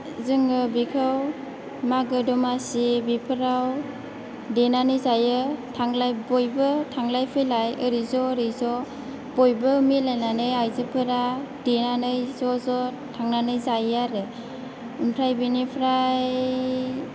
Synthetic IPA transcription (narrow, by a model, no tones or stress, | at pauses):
zɯŋɯbikʰɯw | maɡɯdɔmasibipʰɯɾaw | denanɯjzajɯtʰaŋlajbɔjbɯtʰaŋlajpʰɯjlajɯɾizɔɾizɔ | bɔjbɯmilajnanɯjajzɯpʰɯɾadenanɯjzɔzɔ | tʰaŋnanɯjzajaɾɯ | ɯmpʰɾajbinipʰɾaj